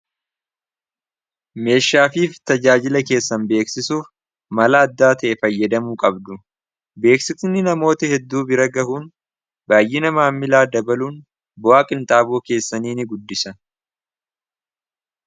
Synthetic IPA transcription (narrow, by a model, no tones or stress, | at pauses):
me̞ːʃːaːfiːft̪ɐd͡ʒaːd͡ʒɪlɐke̞ːsːɐnbe̞ːksɪsuːf | mɐlaːd̪ːaːt̪ɐʔɛfɐjːɐd̪ɐmuːkʼɐbd̪ʊ | be̞ːksɪt̪ɪnːɪnɐmo̞ːt̪ɐhɛd̪ːuːbɪɾɐɡɐɦuːn | baːjːɪnɐmaːmːɪlaːd̪ɐbɐluːn | bɔwaːkʼɪnt̪aːboːke̞ːsːɐniːnɪɡʊd̪ːɪsɐ